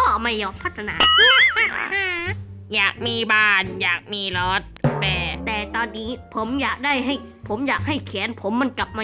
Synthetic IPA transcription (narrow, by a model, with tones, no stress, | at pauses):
ɔː˥˩ma˧˩jɔː˧mpʰa˦˥t̪ʰːa˧naː˨˧˦ | jaː˨˩k̚miː˧˩baː˥˩njaː˨˩k̚miː˧˥˩lɔː˦˥t̪̚pɛː˧˩t̪ɛː˨˩t̪ɔː˧nːiː˦˥pʰo˩˦mjaː˨˩k̚daː˥˩jɦa˥˩jpʰo˩˦mjaː˨˩k̚ha˥˩jkʰɛ˩˦npʰo˩˦mːa˧nkla˨˩p̚maː˧